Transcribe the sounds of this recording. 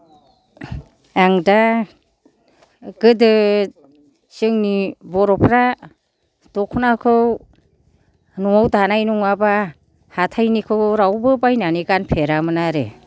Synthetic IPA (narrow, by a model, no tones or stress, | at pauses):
aŋda | ɡɯdɯ | sɯŋnibɔɾɔpʰɾa | tɔkʰnakʰɯw | nuŋawtanajnuŋaba | hatʰajnikʰɯwɾawbɯpajnanikanpʰeɾamɯnaɾḛ